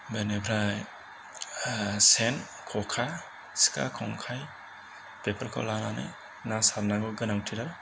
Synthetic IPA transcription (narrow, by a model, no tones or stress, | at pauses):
benebʰʱɾaj | sen | kʰɔkʰa | si̥ka̰kʰɔŋkʰaj | pepʰaɾkʰa̰lananɯ̰j | nasaɾnaɡɔɡɯnaŋtʰiɾa